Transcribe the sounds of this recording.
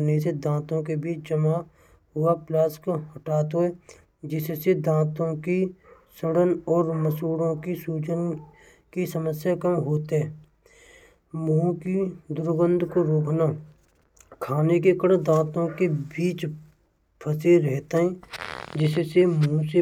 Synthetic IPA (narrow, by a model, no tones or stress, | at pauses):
nesed̪ãːt̪õkebiːt͡ʃd͡ʒəma | ɦʊaplaːskoɦəʈaːt̪oɦɛː | d͡ʒɪssed̪ãːt̪õki | səɽənɔːɾməsuːɽõkisuːd͡ʒən | kisəməsjakəmɦoːt̪ɦɛː | mũːkid̪ʊɾɡə̃nd̪ʱkoɾoːkna | kʰaːnekekəɽd̪ãːt̪õkebiːt͡ʃ | pʰəseɾɛɦt̪aɦɛ̃ːd͡ʒɪssemũse